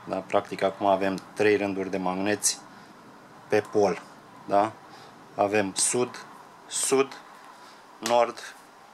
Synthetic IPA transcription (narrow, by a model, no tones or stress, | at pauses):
d̪apɾakt̪ikakumaːve̞mt̪ɾe̞jrɨnd̪urʲd̪e̞maɡne̞t̪sʲ | pe̞po̞l | d̪a | ave̞msud̪ | sud̪ | no̞rd̪